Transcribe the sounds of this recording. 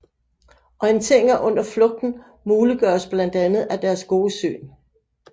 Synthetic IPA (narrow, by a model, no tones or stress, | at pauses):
ʔɒ̽e̝nt͡sʰeŋ̰ɐʔɔ̽n̰ɐflɔ̽ɡ̥̚d̥n̩ | muːliɡ̥ɶːɐsb̥lænd̥ænð̞̩ˠæd̥æɐsɡ̥o̝ːəsø̰ːn